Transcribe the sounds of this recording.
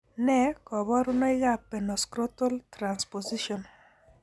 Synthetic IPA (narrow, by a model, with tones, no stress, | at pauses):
nɛ˦kɔ˨βɔ˦ɾu˦nɔ˦i˦ɣa˦˨pɛ˨nɔ˨skɾo˦tɔ˦ltɾa˨nspo˨zi˦ʃɔ˨n